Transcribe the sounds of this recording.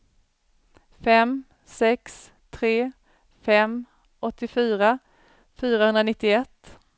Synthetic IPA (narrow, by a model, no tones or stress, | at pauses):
fɛm | sɛks | t̪ʰɾeː | fɛm | ʔɔt̪ːɪfyːɾa | fyːɾahɵnɾanɪt̪ːɪɛt̪ː